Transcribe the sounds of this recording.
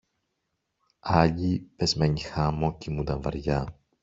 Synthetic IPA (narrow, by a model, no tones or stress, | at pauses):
ɐʎipezmeɲixɐmocimud̪ɐnvɐ̰ɾʝɐ